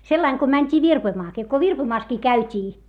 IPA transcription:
selːɑiŋ ko mænʲtʲiː ʋirpoĭmɑːkiː ko ʋirpoĭmɑːskiː kæytʲiː

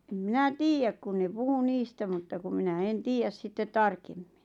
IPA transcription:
em minæ tiːjæk kun ne puhu niːstæ mutːɑ kum minæ en tiːjæs sitːet tɑrkemːi̥n̥

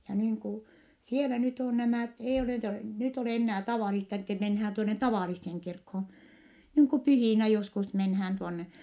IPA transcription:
jɑ niːŋ ku sielæ nyt on næmæˑt eij oleˑ nyt nyt oleˑ enːæː tɑʋɑˑlistɑ etːɛ menhæːn tuone tɑʋɑˑlisːeŋ kirkhoːn̞ niːŋ ku pyhiˑnæ joskus menhæːn tuonːe

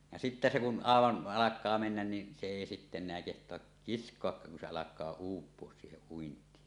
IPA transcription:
jɑ sitːæ se kun ɑˑeʋɑn ɑlɑkˑɑː menːæn ni se eˑi sitːe enˑeæ kehtˑoɑk kiskˑoɑkːɑːk kun se ɑlɑkˑɑː uːpˑuos siːheʔ ʔuintˑiːsɑ

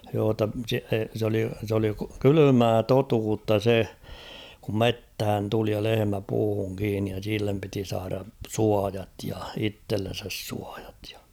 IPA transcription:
joː tːɑ se s oli s oli kylymæː totuːtːɑ se kum methæn tuli jɑ lehemæ puːhuŋ kiːnːij jɑ silːem piti sɑːrɑ suɑjɑt jɑ itːelːen̞sæs suɑj̊ɑ̥t j̊ɑ̥

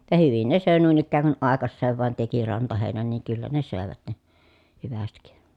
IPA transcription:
jɑ hyʋin ne søˑe nuin ikːæːŋ kun ʔɑˑekɑsːeːʋ ʋɑˑen teki rɑntɑheˑi̯næn niːŋ kylːæ ne søˑeʋæt ne hyʋæstik

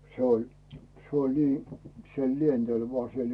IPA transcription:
se olʲ se olʲ niː se lientel ʋŏɑː siel

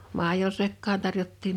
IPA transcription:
mɑˑijo sekːɑːn̥ tɑrjotːiːm

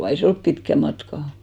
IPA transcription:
ei se olp pitkæ mɑtkɑ

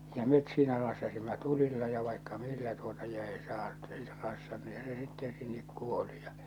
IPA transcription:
jɑ met siːnæ rɑsːɑsimːɑ tulilːɑ jɑ ʋɑikːɑ milːæ tuotɑ jɑ ei sɑːt ei se rɑsːɑn niːhæ se sitːen sinːek kuoli jɑ

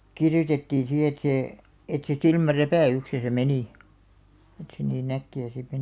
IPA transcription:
kirjotetːiːn si et seː et se silmæræpæˑyksesæ meniˑ et se niːn ækːiæ sit

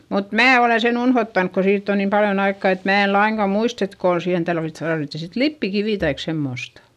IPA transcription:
mut mæː oleˑn sen unhotːɑnk ko siːtː on niːm pɑljon ɑikːɑˑ et mæː e lɑiŋkɑ muist et koˑn siːhen tɑlʋit tɑrʋitːi sit lipːikiʋiˑ tɑik semːostɑ̥

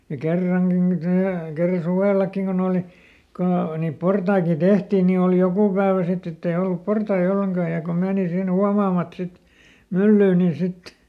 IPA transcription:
jɑ kerːɑŋɡ̊i nin tæː kerːɑ suʋeˑlɑkːiŋ kon oːli kon o niːp portɑikin̞ d̥ehtiːn niː oˑli jokuˑ pæːʋæ sitː etː ei olːup portɑi olːeŋkɑː jɑ ko meːni sin huɑmɑːmɑt sit mylːyː niːn̞ sit

